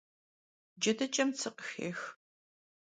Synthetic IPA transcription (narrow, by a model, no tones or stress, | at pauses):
d͡ʒɐdɐt͡ʃʼɐmt͡sʰɨqʼxḛːx